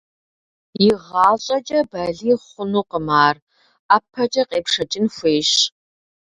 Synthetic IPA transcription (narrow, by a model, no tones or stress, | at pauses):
jɪʁɑːɕʼɐt͡ʃʼɐbɐɮiːχʷʊnuːqəmaːr | aːpʰɐt͡ʃʼɐqeːpʂɐt͡ʃʼɪnxʷeːɕ